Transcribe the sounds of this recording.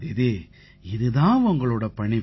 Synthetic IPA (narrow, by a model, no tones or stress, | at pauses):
ɪðɯ | ɪðɯðãːʊŋɡɐɭoːɽɐpɐɳi